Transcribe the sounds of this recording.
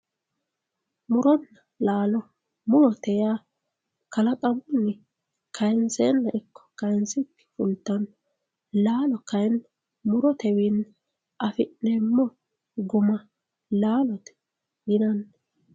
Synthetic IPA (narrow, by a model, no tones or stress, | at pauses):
mʊɾɔnːɐ | laːlɔ | mʊɾɔt̪ɛjaː | kɐlɐkʼɐmʊnːɪ | kʰɐjnseːnːɐʔɪkʰːɔ̥kɐjnsɪkːɪ̥fʊlt̪ːɐn | laːlɔkɐjn | mʊɾɔt̪ɛwiːn | ʔɐfɪʔnɛːmːɔ | ɡʊmɐ | laːlɔt̪ɛ̥ | ɡɪd̪ɐnː